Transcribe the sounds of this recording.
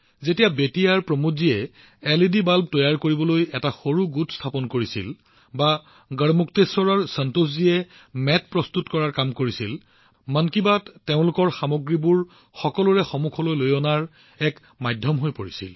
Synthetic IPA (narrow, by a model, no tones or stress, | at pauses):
zetijabetiaɹpɹɔmuziɛ | ɛlidibalb̚tɔjaɹkoɹibɔlojɛtaxoɹuɡutʰstʰapɔnkoɹisḭl | ba | ɡəɹmuktesɔɹaɹsantos̬ziɛ | mɛt̚pɹɔstutkɔɹaɹkamkoɹisil | mankibatteʊ̃lʊkɔɹxamɔɡɹibuɹ | xɔkɔlɔɹɛxɔmukʰɔlojlojɔnaɹ | ɛk | majdʱjɔmɦojpoɹisḭl